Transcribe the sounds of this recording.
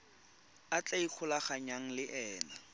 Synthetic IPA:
at͡ɬaik͡xʰʊlaχaɲaŋ̩lɪʔɛːna

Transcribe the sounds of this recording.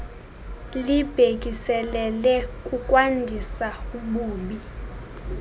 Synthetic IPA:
lib̥ʱek̬ʼisɛlɛlɛkʼuk̬ʼwandʱisauɓuːɓi

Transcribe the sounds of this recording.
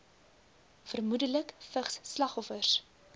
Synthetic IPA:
fərmudələkfəχsːlɐχɔfərs

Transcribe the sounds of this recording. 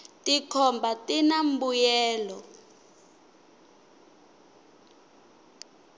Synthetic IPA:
tikʰɔmbatinam̩bujɛːlɔ

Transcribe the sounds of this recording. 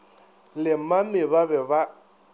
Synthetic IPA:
lɪmamɪbabɛba

